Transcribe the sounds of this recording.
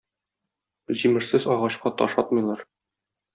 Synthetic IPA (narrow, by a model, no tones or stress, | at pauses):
ʑimɘ̆ʃsɘzɒʁɑɕqɑt̪ɒ̰ʃɒt̪̚mɤ̆jlˠɑɾ